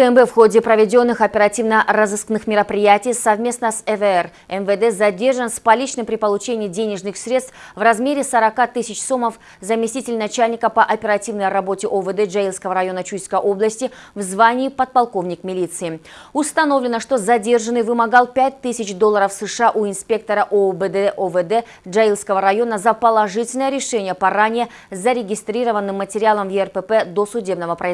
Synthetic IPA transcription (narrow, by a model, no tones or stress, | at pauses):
kəɛmbɛfxo̞dʲɪpɾəvʲɪdʲo̞nːɨxɐpʲɪɾɐtʲivnərəzɨsknɨxmʲɪɾəpɾʲɪjætʲɪjsɐvmʲe̞snəsɛvəɛr | ɛmvəd̪ɛzɐdʲe̞rʐənspɐlʲit͡ɕnɨmpɾʲɪpəlˠʊt͡ɕenʲɪːɪdʲenʲɪʐnɨxsʲɾʲe̞t̪t̪fvrɐzmʲeɾʲɪsəɾɐkat̪ɨsʲɪt͡ɕsumːəf | zəmʲɪsʲt̪ʲitʲɪlʲnɐt͡ɕælʲnʲɪkəpəʔɐpʲɪɾɐtʲivnəjɾɐbotʲɪʔovəd̪ɛʐɐilˠskəvəɾɐjo̞nət͡ɕujskəjʔo̞blˠəsʲtʲɪvzvanʲɪːpɐt̪̚pɐlˠko̞vnʲɪkmʲɪlʲit̪sɨɪ | ʊst̪ɐno̞vlʲɪnəʂt̪o̞zɐdʲe̞rʐɨnːɨjvɨmɐɡɑlˠpʲæt̚ʲt̪ːɨsʲɪt͡ɕd̪olˠːəɾəfsɨʂɨaʔuɪnspʲe̞k̚t̪əɾəʔobəd̪ɛʔovəd̪ɛ | ʐɐilˠskəvəɾɐjo̞nəzəpəlˠɐʐɨtʲɪlʲnəjəɾʲɪʂɛnʲɪjəpɐranʲɪjə | zəɾʲɪɡʲɪst̪ɾʲiɾəvənːɨmːətʲɪɾʲɪalˠəmvjɛrpəpɛd̪o̞sʊdʲe̞bn̪əvəpɾəz